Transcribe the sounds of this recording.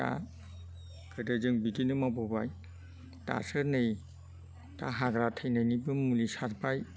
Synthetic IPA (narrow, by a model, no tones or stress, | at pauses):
a̰ | kʰɯdɯzɯŋbidinɯmabɔbaj | ta̰sɯnɯj | ta̰ɦaɡɾatʰɯjnajnibɯmulisaɾpaj